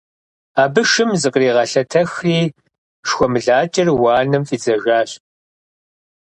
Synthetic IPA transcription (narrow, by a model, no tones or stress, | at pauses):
aːbɨʂɨmzɨqʼriːʁɐɬɐtʰɐxriː | ʂxʷɔmɨɮaːt͡ʃʼɐrwɑːnɨmfʼiːd͡zɐʒaːɕ